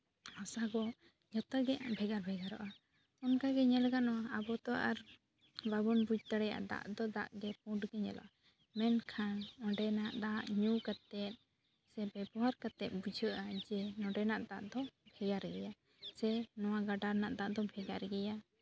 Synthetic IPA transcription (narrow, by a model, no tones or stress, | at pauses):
ɔsaɡɔ | ɲɔt̪əɡɛʔa̰bʱɛɡaɾbʱɛɡaɾɔ̰ʔa | ɔnkaɡɛɲɛlɡanɔwaabɔt̪ɔʔaɾ | babɔnbud͡ʒt̪aɽɛja̰ʔa̰d̪a̰ʔd̪ɔd̪aʔɡɛp̚ũɖɡɛɲɛ̰la̰ʔa | mɛnkʰanɔ̃ɖɛnaʔd̪aʔɲukat̪ɛt̪̚ | sɛbɛbɔwaɾkat̪ɛt̪̚ˀbud͡ʒʱəʔad͡ʒɛnɔ̃ɖɛnaʔt̪aʔd̪ɔbʱɛɡaɾɡɛja | sɛnɔwaɡaɖaɾnaʔt̪aʔaʔd̪ɔbʱɛɡaɾɡɛja